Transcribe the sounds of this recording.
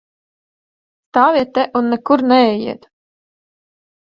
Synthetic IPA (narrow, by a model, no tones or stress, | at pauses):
st̪aːviɛt̪ːɛʔunːɛkuɾnɛɛjḭɛt̪